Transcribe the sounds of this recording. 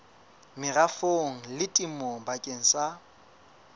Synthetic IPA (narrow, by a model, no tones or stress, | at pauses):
mɪrafoŋ̩lɪtʼimobakʼeŋ̩sa